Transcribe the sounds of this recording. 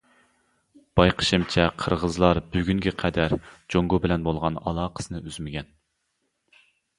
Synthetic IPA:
b̥ɑjqʰə̥ʃɨmt͡ʃʰɛqʰəɾʁəzlˠɑɾbyɡʲyŋɡʲɛqʰɛd̪æɾd͡ʒoŋɡubɪlɛnbolˠʁɑnɑ̰lˠɑːqʰə̥sɨnɨʔyzmɪɡʲɛn

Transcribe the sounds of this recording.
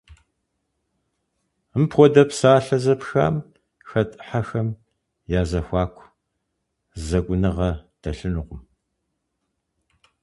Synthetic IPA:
ɨmpʰχʷɔdɐpsaːɬɐzɐpxa̰ːm | xɐtʰʼħaxɐm | jaːzɐxʷɑːkʷʼʰ | zɐkʷʼʊnɨʁɐd̥ʰɐɬɨnɨqʷʊm

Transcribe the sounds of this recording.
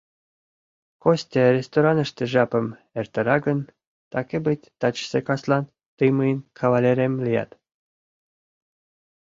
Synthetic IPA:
kosʲt̪ʲeɾʲest̪oɾɑnə̆ʃt̪ĕʒɑpə̆m | erʲt̪ɤ̆ɾɑɡən | t̪ɑkʲebɨtʲt̪ɑt͡ɕsekɑslɑn | t̪ɨjmɯjənkʰɑβɑlʲeɾʲemlʲijɑ̰t̪

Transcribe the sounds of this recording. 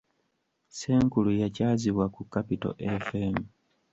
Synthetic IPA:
se̞ːŋkulujacaːziβwakukːapito̞̰ʔefemu

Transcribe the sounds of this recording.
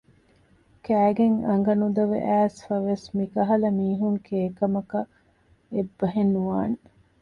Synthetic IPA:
kæːɡeŋɐŋɡɐnud̪ɐʋḛʔæːsfɐʋesmikɐɦɐlɐmiːɦuŋkeːkɐmɐkɐ | ebːɐɦenːuʋaːne

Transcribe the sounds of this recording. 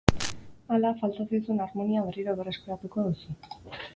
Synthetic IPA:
alafalt̪asajsunaɾmo̞niaβeriɾo̞βe̞re̞skeɾat̪uko̞ðusu

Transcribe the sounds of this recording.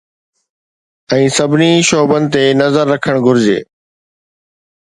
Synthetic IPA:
ɛ̃ːsɐbʱɪniʃoːbənɪ̆t̪enɐzəɾːɐkʰəɽ̃ɡʱʊɾɪd͡ʑḛː

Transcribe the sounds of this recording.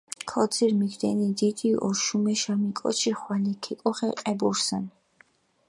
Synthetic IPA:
kʰɔd̪ziɾmiɡd̪ɛnid̪id̪iʔɔɾʃumɛʃamikʼɔ̰t͡ʃʰiχwanikʰɛkʼɔχɛqʼɛbɔɾsan

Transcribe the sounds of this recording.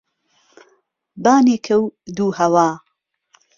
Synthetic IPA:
baːneːkʰɐwd̪uːhɐwaː

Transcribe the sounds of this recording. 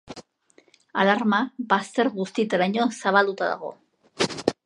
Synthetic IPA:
a̰laɾmabast̪e̞ɾɣust̪it̪eɾajɲosaβald̪ut̪aða̰ɣo̞̰

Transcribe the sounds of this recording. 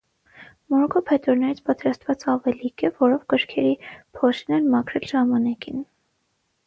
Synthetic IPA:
mɔɾkʰɔpʰhɛt̪ɔɾnɛɾit͡sʰpɑt̪ɾɑst̪vɑt͡sɑvɛlikɛvɔɾɔvɡəɾkʰɛɾipʰɔʃɛnɛnmɑkʰɾɛlʒɑmɑnɑkin

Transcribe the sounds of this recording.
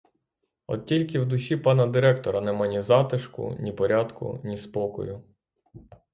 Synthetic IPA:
ɔ̰d̪̚tʲilʲkɪwd̪ʊʃʲipɑnɐd̪ɪɾɛkt̪ɔɾɐnɛmɑnʲizɑt̪ɪʃkʊ̰nʲipɔɾʲɑd̪kʊ̰nʲispɔkɔ̰jʊ

